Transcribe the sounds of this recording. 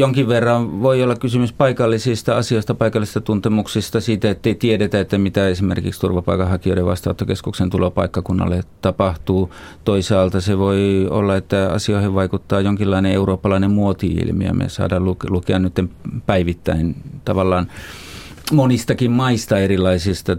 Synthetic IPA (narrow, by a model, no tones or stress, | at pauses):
joŋkiʋʋerːɑʋʋoiolːɑkkysymyspɑikɑlːisist̪ɑɑsioˑist̪ɑpɑikɑlːˑise̥st̪ɑt̪unt̪emuksist̪ɑsiːt̪æet̪ːeit̪ieɾet̪æet̪ːæmit̪æesimḛrkikst̪urʋɑpɑikɑhɑkioiɾeʋʋɑ̰st̪ɑˑut̪ːokeskuksent̪ulopɑikːɑkunːɑ̰lːet̪ɑpɑht̪uː | t̪oisɑːlt̪ɑseʋoio̰lːɑet̪ːæɑ̰sioiheʋʋɑikut̪ːɑːjoŋkilːɑineeuroːpːɑlɑinemmuot̪iḭlmḭɑ̰mḛsɑ̰ːdɑːlluklukeɑnnyt̪ːempæiʋit̪ːæ̰int̪ɑʋɑlːɑːn | monist̪ɑkimmɑist̪ɑerilˑɑisist̪ɑ